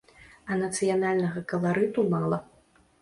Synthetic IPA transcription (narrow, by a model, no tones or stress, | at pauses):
ɐnɐt̪sɨjanalʲnɐɣɐkɐlˠaɾɨt̪umalˠɐ